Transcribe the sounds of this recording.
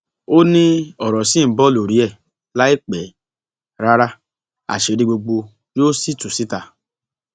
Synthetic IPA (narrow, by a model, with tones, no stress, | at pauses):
o˦nĩ˦ɔ˨ɾɔ˨sĩ˦˨bɔ˦˨lo˨ɾi˨˦ɛ˦˨ | la˦e˦k͡pɛ˨ | ɾa˦ɾa˦ | a̰˨ʃe˨ɾi˧ɡ͡bo˧ɡ͡bo˧ | d͡ʒo˦si˦tu˨si˦ta˧˨